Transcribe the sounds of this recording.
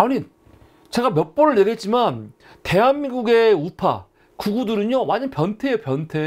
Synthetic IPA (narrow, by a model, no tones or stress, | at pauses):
ani | t͡ɕe̞ɡamjʌk̚p͈oɾɯɭne̞ɡe̞t̚t͡ɕ͈iman | te̞ɦanmiŋɡuɡe̞upʰa̰ | kuɡudɯɾɯɲowand͡ʑɯnpjʌntʰe̞pjʌntʰe̞